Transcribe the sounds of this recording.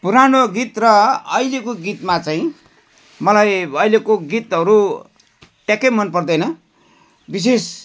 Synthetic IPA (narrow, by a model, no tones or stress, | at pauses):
puɾanoɡit̪rʌʌjlekoɡit̪mat͡saĩ | mʌlajʌjlekoɡit̪ɦʌɾu | ʈjakʌmʌnpʌrd̪ʌjnʌ | bis̬es